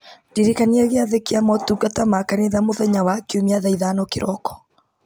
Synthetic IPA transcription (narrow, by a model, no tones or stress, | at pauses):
diɾekaniaɣeaðekeamɔtuɡatamakaneðamoðɛɲawakeomiaðaiðaːnɔkeɾʔɔkɔ̥